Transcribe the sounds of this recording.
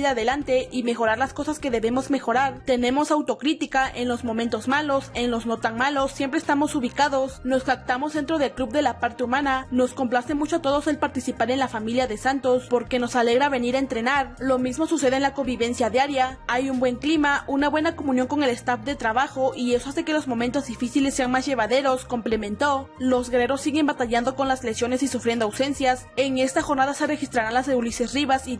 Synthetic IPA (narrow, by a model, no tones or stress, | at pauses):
iɾaðe̞lant̪e̞ime̞xo̞ɾaɾlasko̞saske̞ðe̞βe̞mo̞zme̞xo̞ɾaɾt̪e̞nẽ̞mo̞sawt̪o̞kɾit̪ikaʔe̞nlo̞zmomẽnt̪o̞zmalo̞se̞nlo̞zno̞t̪aŋmalo̞sːje̞mpɾest̪amo̞suβikaðo̞sno̞skak̚t̪amo̞zðe̞nt̪ɾo̞ðe̞lklubðe̞lapaɾt̪e̞umãnano̞sko̞mplase̞mut͡ʃoat̪o̞ðo̞se̞lpaɾt̪isipaɾe̞nlafamiljaðe̞sant̪o̞spo̞ɾke̞no̞sale̞ɣɾaβe̞niɾaent̪ɾe̞naɾlo̞mizmo̞suse̞ð̞enlako̞mbiβe̞nsjaðjaɾjaajumbwe̞ŋklimaunaβwe̞nako̞mũnjoŋko̞ŋe̞le̞st̪afd̪e̞t̪ɾaβaxo̞ʔie̞so̞ase̞ke̞lo̞zmo̞mẽnt̪o̞zðifisilesːe̞anmasʝe̞βaðe̞ɾo̞sko̞mple̞mẽ̞nt̪o̞lo̞zɣeɾeɾo̞sːiɣe̞mbat̪aʝand̪o̞ko̞nlasleksjo̞ne̞sisufɾjend̪oawse̞nsjas | e̞ŋe̞st̪axo̞ɾnaðase̞re̞xist̪ɾaɾanlaseulisesriβasi